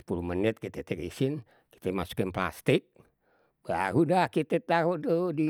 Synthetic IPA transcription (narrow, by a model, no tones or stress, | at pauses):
sə̥pulumənɪt̪̚kit̪et̪ɛkisɪn | ki̥t̪emasu̥kɪnpla̰st̪ɪk̚ | b̥a̰ɾudahkit̪et̪aɦuʔdodi